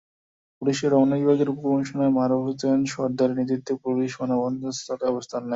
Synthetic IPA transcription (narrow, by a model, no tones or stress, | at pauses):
puliʃeɾɔmnːaibʱaɡeɾupokɔŋʃonaemaɾobot̪ɔonʃɔɾd̪aɾnit̪̬ɾit̪ːepɾuɾiʃonabɔnd̪ʱost̪ʰat̪ɔbost̪ʰanːa